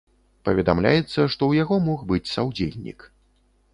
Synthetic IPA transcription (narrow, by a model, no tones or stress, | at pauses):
pɐvʲɛd̪amlʲa̰jɛt̪sːɐʂt̪ɔwjaɣɔmɔxbɨt͡sʲsawd͡zʲḛlʲnʲḭk